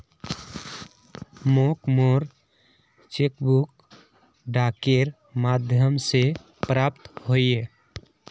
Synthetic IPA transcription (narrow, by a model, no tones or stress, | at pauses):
mokmoɾ | t͡ʃekbuk | ɖakeɾ | mad̪ʱjəmse | pɾap̚t̪ɦoje